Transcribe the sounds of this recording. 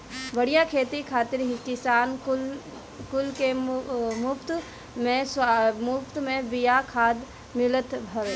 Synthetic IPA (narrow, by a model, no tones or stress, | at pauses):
ʋɐɽijakʰeːt̪ikʰaːt̪ɪɾɦikɪsaːn | kʊlkemʊpt̪ | mẽsmʊpʰt̪mẽbɪjakʰaːd̪ | mɪlət̪bʱɐɾe